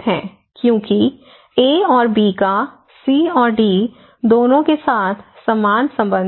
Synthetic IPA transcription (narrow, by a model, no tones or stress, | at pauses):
ɦɛ̰̃ː | kjõːki | eːɔːɾbiːka | siːɔːɾɖiː | d̪oːnõkesaːt̪ʰsɐmaːnsɐ̃mbə̃n